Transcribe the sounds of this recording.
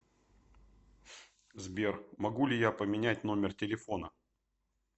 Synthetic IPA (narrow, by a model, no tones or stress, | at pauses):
zbʲermɐɡulʲɪjapəmʲɪnʲætʲno̞mʲɪrtʲɪlʲɪfo̞nə